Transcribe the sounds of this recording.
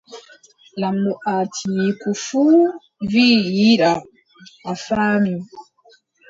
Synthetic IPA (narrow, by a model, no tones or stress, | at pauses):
lamːuʔaːtʰijikufuː | viːjiɗa | ʔafaːmi